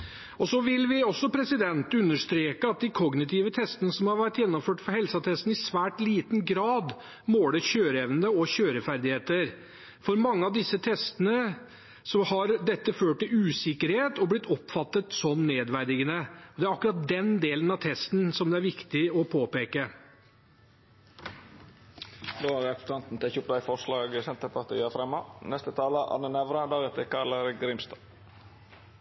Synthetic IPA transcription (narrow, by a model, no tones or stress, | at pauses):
ɔsɔʋɪlʋɪɔsːɔpʰɾɛsɪd̪ɛnt̪ʉnːəʂt̪ɾeːkəɑt̪̚d̪ɪkʰɔɡnɪt̪ʰɪʋət̪ʰɛst̪ənəsɔmhɑɾʋæʈ̪jɛnːɔmføːʈfɔɾhɛlsɑt̪ʰɛst̪n̩ɪsʋæːʈliːt̪n̩ɡɾɑːd̪ | moːləçøːɾəɛʋnəd̪əɔɕøːɾəfæɾd̪ɪheːt̪əɾ | fɔɾmɑŋːəɑʋd̪ɪsːət̪ʰɛst̪ənə | sɔmhɑɾd̪ɛt̪ːəføːʈʈɪʉːsɪkəɾheːt̪ɔblɪt̪ʰːɔpfɑt̪ːət̪sɔnneːd̪ʋæɾd̪ɪɡənəɔd̪ɛæɾɑkːʉɾɑt̪̚d̪ɛnd̪eːlənɑt̪ʰɛst̪nsɔmd̪ɛæɾʋɪkt̪ɪɔpʰoːpeːkə | d̪oːæɾɛkst̪ɑnt̪n̩t̪ɛçʊp̚d̪æɪfɔɾʂlɑːɡəsɛnt̪əpɑɾt̪ʰḭːəfɾɛmːɑnɛst̪ət̪ʰɑːləʔɑ̰nːənɛʋɾɑd̪ɑɾət̪əkɑləɾɡɾɪmst̪ɑ